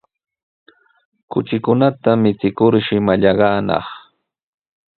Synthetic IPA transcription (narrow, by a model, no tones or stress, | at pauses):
kʊt͡ʃɪkʊnat̪amɪt͡sɪkʊɾʃɪmaʎɑɢɑːnɑ̰χ